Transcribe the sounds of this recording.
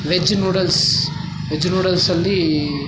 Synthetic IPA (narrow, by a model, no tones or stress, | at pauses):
ʋed͡ʒnuːɽɐls | ʋed͡ʒnuːɽɐlsɐlːi